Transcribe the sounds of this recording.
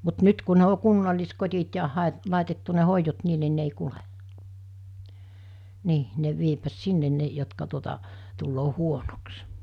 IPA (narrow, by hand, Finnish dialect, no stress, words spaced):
mut nyt ku ne o kunːɑlːiskotʲit jɑ hɑˑe lɑˑitetːu ne hoijot niːn ni ne ei kule niː ne ʋiepʋæt sinːen ne jotkɑ tuotɑ tulːoː huonoks